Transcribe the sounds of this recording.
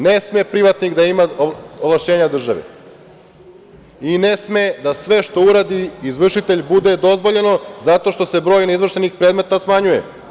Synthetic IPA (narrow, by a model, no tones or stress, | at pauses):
nesmepɾiʋat̪niɣd̪aimaoʋlˠaʃt͡ɕe̞ːɲad̪r̩ʒa̰ʋḛ | ine̞smed̪asʋe̞ʃt̪o̞uɾaːd̪iizʋr̩ʃit̪e̞ʎbud̪e̞d̪o̞zʋo̞ʎe̞no̞zat̪o̞ʃt̪o̞se̞bɾo̞ːjnizʋvr̩ʃenixpɾe̞ːd̪met̪asmaɲujḛ